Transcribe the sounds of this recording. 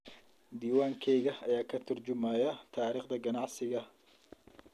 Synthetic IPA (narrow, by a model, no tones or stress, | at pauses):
d̪iːwaːŋkʰɛjɣɐɐjaːkʰɐt̪ʰʊrd͡ʒʊmaːjɐt̪ʰaːɾiːχd̪ɐɡɐnɑʕsɪɣɐ